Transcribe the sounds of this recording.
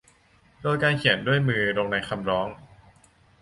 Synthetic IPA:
doː˧jkaː˧nkʰi˩˦ndu˥˩əjmɯː˧ɾoː˧ŋna˧jkʰa˧mɾɔː˦˥ŋ

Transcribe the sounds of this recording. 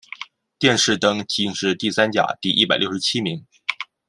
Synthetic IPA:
t̪jɛ˥˧nʂɻ̩˥˩t̪ɤ˥ŋt͡ɕi˧˥ŋʈ͡ʂɻ̩˥˧t̪i˥˩sa˥nt͡ɕja̰˨˩t̪i˥˧ʔi˥˩pa˨˩ljo˥˩ʊʂɻ̩˧t͡ɕʰi˥mi˧˥ŋ

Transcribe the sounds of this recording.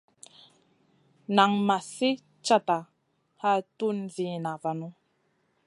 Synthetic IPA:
na˨ŋma˨si˦ | t͡ʃa˦ta˨ | ha˦tu˦nzi˨na˨va˨nu˦

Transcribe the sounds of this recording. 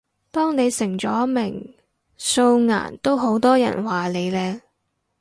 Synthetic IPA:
t̪ɔː˥ŋne˨˧jsɪ˨˩ŋt͡ʃɔː˨˥mɪ˨˩ŋ | so˧wŋa̰ː˨˩nt̪o˥wɦo˨˥wt̪ɔː˥jɐ̰˨˩nwaː˨˩le˨˧jlɛː˥

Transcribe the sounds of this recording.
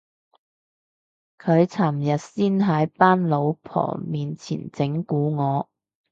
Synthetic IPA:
kʰɵ˨˧ɥt͡sʰaː˨˩mjɐ˨t̚siː˥nɦɐ˨˥jpaː˥nlo˨˧wpʰɔ̰ː˨˩miː˨nt͡sʰḭː˨˩nt͡sɪ˨˥ŋkuː˨˥ŋɔː˨˧

